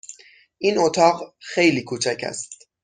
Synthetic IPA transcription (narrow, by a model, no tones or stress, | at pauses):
ʔinot̪ʰɒːɢxe̞jliːkʰuːt͡ʃʰæcʰæ̰st̪